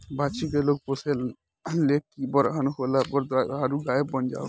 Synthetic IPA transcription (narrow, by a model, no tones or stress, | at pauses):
bat͡ʃikeloɡ̚pɔselː | ekːibɔɾɦanɦolabɔɾd̪aaɾuɡajebənd͡ʒa̰w